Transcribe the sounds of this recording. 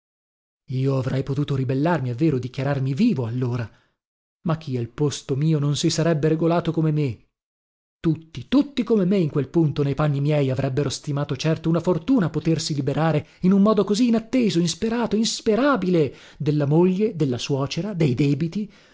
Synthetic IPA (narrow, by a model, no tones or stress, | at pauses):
iːoavɾɛjpot̪uːt̪oɾibelːarmiavːeːɾod̪ikjaɾarmiviːvoalːoːɾa | makʰːialpost̪omiːononsisaɾɛbːeɾeɡolaːt̪okomeme | t̪ut̪ːit̪ut̪ːikomemeiŋkwelpunt̪onejpanːimjɛjavɾʔɛbːeɾost̪imaːt̪ot͡ʃɛrt̪ounafort̪uːnapot̪ersilibeɾaːɾeinumːɔːd̪okoziːnat̪ːeːzoinspeɾaːt̪oinspeɾaːbile | d̪elːamoʎːed̪elːaswɔːt͡ʃeɾad̪ejd̪ɛːbit̪i